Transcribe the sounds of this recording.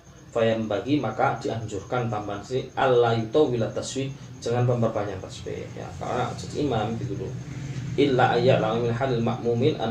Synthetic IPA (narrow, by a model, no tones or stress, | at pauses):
fajambaɣimakad̪̥iʔaɦnd͡ʒuɾkant̪ambansiʔalaːajut̪owilat̪ːaswik | d͡ʒaŋanpambarbaɲanraspḛa̰ka̰a̰d͡ʒatʔimamipiɡulṵʔilːaʔanjaʕlamminħalalma̰ʔmuminʔa̰